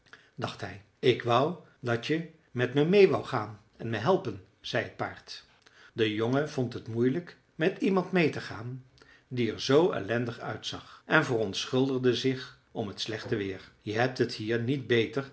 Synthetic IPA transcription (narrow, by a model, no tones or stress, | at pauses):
dɑχtɦɛj | ɪkʋʌw | dɑtjə | mɛtməmejʋɑwχaːn | ɛnməɦɛlˠpən | z̥ɛjɦət̚pa̰ːɹt | dəjoŋəvɔntɦətmujlək | mɛtimɑntmejtəχaːn | diɛɹzowɛ̰lɛndəχœ̰ɥtsɑ̰χʔɛnvərɔntsχʏlˠdəʁdəzɪχ | ɔmɦətslɛχtəʋɪːɹjəɦɛp̚tɦəthiːɹnitbejtər